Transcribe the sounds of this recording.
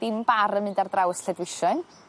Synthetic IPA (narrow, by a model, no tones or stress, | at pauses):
d̥ɪmbaɾənmɨndardrawəsɬɛdwɪʃɔn